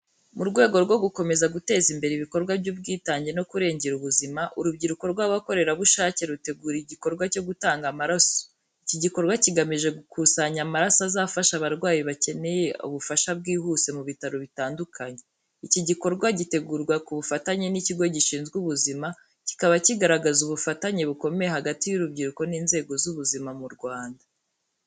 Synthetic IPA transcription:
muɾɡwe̞ːɡo̞ɾɡwo̞ɡuko̞me̞zaɡute̞ːzimbe̞ɾeiβiko̞ɾɡwabɟubɡiːtaːɲɟe̞no̞kuɾe̞ːɲɟe̞ɾuβuzimaʔuɾubɟiɾuko̞ɾɡwaːβwako̞ɾe̞ɾaβuʃaːce̞ɾute̞ɡuɾiɟiko̞ɾɡwaco̞ɡutaːŋɡamaɾaso̥ | iciɟiko̞ɾɡwaciɡamiʒe̞ɡukusaɲamaɾasazaːfaʃaβaɾɡwaːjiβace̞ne̞jeṵβufaʃabɡiːhuːse̞muβitaɾoβitaːndukʰaɲe | iciɟiko̞ɾɡwaɟite̞ɡuːɾɡwakuβufataɲe̞niciɡo̞ɟiʃiːnzɡuβuzima | ci̥kaβaciɡaɾaɡazuβufataɲe̞βuko̞me̞jeɦaɡatijuɾubɟiɾuko̞niːnze̞ːɡo̞zuβuzimamuɾɡwaːnda

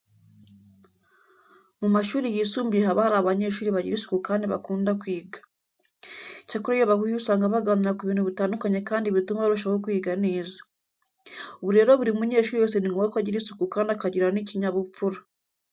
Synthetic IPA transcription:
mumaʃuːɾijisuːmbieɦaβahaɾaβaɲe̞ʃuːɾiβaɟiɾisu̥kukaːndiβa̰kuːndakwiːɡḁ | cakuɾejoβahujusaːŋɡaβaɡaːɲiɾakuβiːnhuβitaːndukaɲe̞kaːndiβitumaβaɾuʃawokwiːɡane̞ːzḁ | oβuɾe̞ːɾo̞βuɾimumuɲe̞ːʃuːɾijoːs̬eniŋɡoβakaɟiɾisu̥kukaːndakaɟiɾaniciɲaβup͡fuɾa

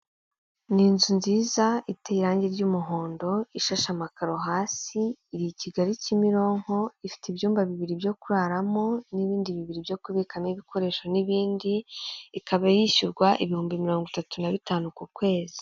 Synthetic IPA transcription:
niːnzunziːzaiteiɾaːɲɟe̞ɾɟuːmuɦo̞ːndo̞iʃaʃamakaɾoɦaːsiːɾiciɡaɾicimiɾo̞ːŋ̥ho̞ifi̥tibjuːmbaβiβiɾibjo̞kuɾaɾamo̞niβiːndiβiβiɾibɟo̞kuβikameβikʰo̞ɾe̞ːʃoniβiːndiːkaβajiʃuɾɡwaʔiβihuːmbimiɾo̞ːŋɡitatunaβitaːnukukwe̞ːzi̥

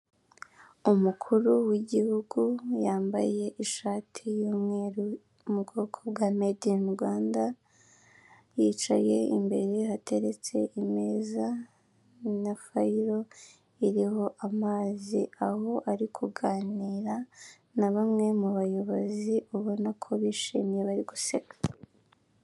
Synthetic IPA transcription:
umukʰuɾuwiɟihuɡujaːmba̰je̞ʔiʃaːtʰijuːmŋeɾu | mubɡo̞ːkʰobɡamedinɡwaːnda | jiːt͡ʃaje̞ḭmbe̞ɾe̞ɦate̞ɾe̞t͡se̞ime̞ːza | nafaiɾo̞ | iɾiho̞ʔamaːziaho̞ʔaɾikʰuɡaːniːɾa | naβamŋe̞muβajo̞βo̞ziuβo̞nakʰo̞βiʃiːmje̞βaɾiɡusekḁ

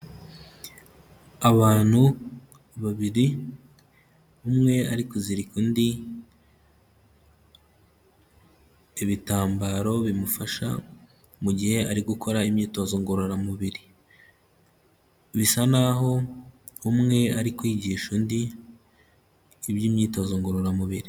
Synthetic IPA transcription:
aβaːn̥hu | βaβiɾi | umŋe̞aɾikuziɾikundi | iβitaːmbaːɾo̞βimufaʃa̰ | muɟihe̞aɾiɡukʰo̞ɾaimɲiːto̞ːzo̞ŋɡo̞ɾoɾamuβiɾi | βisanaɦo̞ | umŋe̞aɾikwiːɟiʃundi | βjiːmɲiːto̞ːzo̞ŋɡo̞ɾo̞ɾamuβiɾi

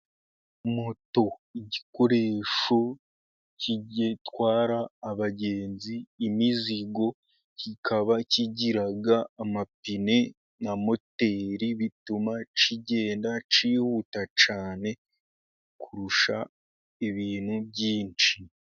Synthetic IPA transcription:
moto̞iɟiko̞ɾe̞ːʃo̞ | ciɟetwaːɾaːβaɟe̞ːnziːmiziɡo̞ | cikʰaβaciɟiɾaɡaːmapine | namo̞teɾiβitumat͡ʃiɟe̞ːndat͡ʃiːhutat͡ʃaːne̞ | kʰuɾuʃa | iβiːnhubɟiːnt͡ʃi

